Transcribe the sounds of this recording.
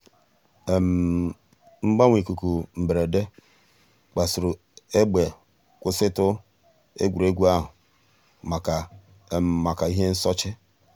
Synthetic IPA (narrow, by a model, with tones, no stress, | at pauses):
e˨m̩˨ | m̩˦ɡ͡ba˦ŋʷi˨ku˨ku˨m̩˨be˨ɾe˨de˦ | k͡pa˨sʊ˨ɾʊ˨ | e˦ɡ͡be˨ | kʷʊ˨sɪ˦tʊ˦ | ḛ˦ɡʷu˨ɾe˦ɡʷu˦a˦ɦʊ˨ | ma˨ka˨ | m˨ma˨ka˨i˦ɦe˦n̩˦sɔ˦t͡ʃɪ˦